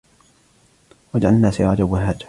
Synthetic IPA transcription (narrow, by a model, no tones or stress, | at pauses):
wad͡ʒʕalnaːsaad̪awːɪɦaːt̪